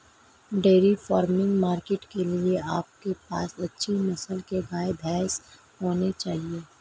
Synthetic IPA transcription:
ɖeːɾifaːɾmɪ̃ŋɡmaːɾkeːʈkelieaːp̚kepaːsɐtːʃʰimɐsəlkeɡaːebʱɛːs | ɦoːnet͡ʃaːɦieː

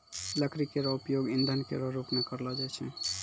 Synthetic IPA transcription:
lakɾikeɾɔupjoɡind̪ʱankeɾɔɾupmekəɾlad͡ʒajt͡ʃʰɛ

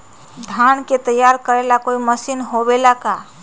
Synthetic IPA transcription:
d̪ʱanket̪əjːaɾkəɾelakoiməsinɦobelaka

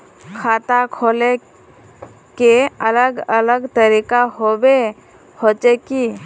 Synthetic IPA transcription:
kʰaːt̪akʰole | keələɡələɡt̪əɾikaɦobe | hot͡ʃeki

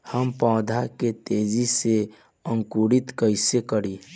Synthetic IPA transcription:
həmpãʊd̪ʱaket̪ed͡ʒise | əŋkuɾit̪kəɪsekəɾi

